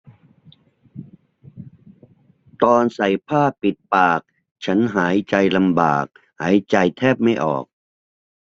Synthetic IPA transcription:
t̪ɔː˧nsa˨˩jpʰaː˥˩pi˨˩t̪̚paː˨˩k̚ | t͡ɕʰa˦˥nɦaː˩˦jt͡ɕa˧jla˧mba̰ː˨˩k̚ | haː˩˦jt͡ɕa˧jt̪ʰɛː˥˩p̚ma˥˩jʔɔ̰ː˨˩k̚

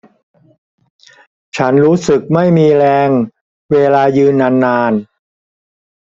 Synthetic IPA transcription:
t͡ɕʰa˦˥nɾuː˦˥sɯ˨˩k̚ma˥˩jmiː˧ɾɛː˧ŋ | weː˧laː˧jɯː˧nːa˧nːaː˧n

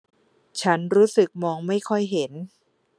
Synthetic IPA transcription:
t͡ɕʰa˦˥nɾuː˦˥sɯ˨˩k̚mɔː˧ŋma˥˩jkʰɔ˥˩jɦe˩˦n

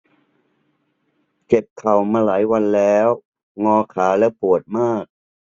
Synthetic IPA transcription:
ke˨˩p̚kʰa˨˩wmaː˧laː˩˦jwa˧nlɛː˦˥w | ŋɔː˧kʰaː˩˦lɛ˦˥wpʰu˨˩ət̪̚maː˥˩k̚

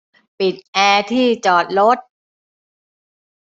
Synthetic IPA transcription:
pi˨˩t̪̚ʔɛː˧t̪ʰiː˥˩t͡ɕɔː˨˩t̪̚ɾo˦˥t̪̚

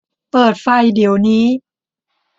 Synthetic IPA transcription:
pɤː˨˩t̪̚fa˧˩jdi˨˩əwniː˦˥

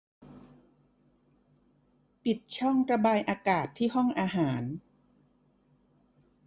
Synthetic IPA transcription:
pi˨˩t̪̚t͡ɕʰɔ˥˩ŋɾa˧baː˧jʔaː˧kaː˨˩t̪ʰːiː˥˩ɦɔ˥˩ŋʔaː˧ɦaː˩˦n

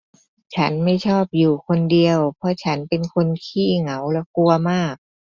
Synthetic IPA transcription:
t͡ɕʰa˦˥nma˥˩jt͡ɕʰɔː˥˩p̚juː˨˩kʰo˧ndi˧əwpʰɔ˧t͡ɕʰa˦˥npe˧nkʰo˧nkʰiː˥˩ŋa˩˦wlɛ˧˥ku˧ɐmaː˥˩k̚

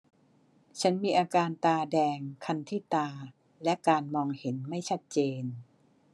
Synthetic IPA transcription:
t͡ɕʰa˦˥nmiː˧ʔaː˧kaː˧nt̪aː˧dɛː˧ŋkʰa˧nt̪ʰiː˥˩t̪aː˧ | lɛ˦˥ʔkaː˧nmɔː˧ŋhe˩˦nma˥˩jt͡ɕʰa˦˥t̪̚t͡ɕeː˧n

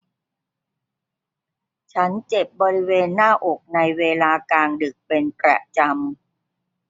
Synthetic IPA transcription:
t͡ɕʰa˦˥nt͡ɕe˨˩p̚bɔː˧ɾi˦˥weː˧nːaː˥˩ʔo˨˩k̚na˧jweː˧laː˧kaː˧ŋdɯ˨˩k̚pe˧npɾa̰˨˩t͡ɕa˧m

